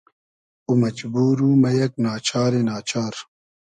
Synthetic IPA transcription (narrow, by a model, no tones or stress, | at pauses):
umɐd͡ʒbuːɾuːmɐjɐk̚naːt͡ʃʰaːɾenaːt͡ʃʰaːɾ